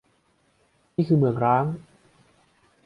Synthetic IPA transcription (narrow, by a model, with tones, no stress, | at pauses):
niː˥˩kʰɯː˧mɯ˨˩əŋɾaː˦˥ŋ